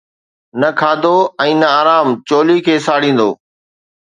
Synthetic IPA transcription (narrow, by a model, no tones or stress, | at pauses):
nɐəkʰaːd̪oɛ̃ːnəaːɾaːmt͡ɕoːlikʰeːsaːɽ̤ĩːn̆d̪o̰ː